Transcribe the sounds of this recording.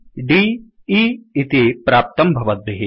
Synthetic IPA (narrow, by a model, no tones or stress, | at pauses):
ɖi | iːt̪ipɾaːp̚t̪ɐmbʱɐʋɐt̪̚ʋeɦi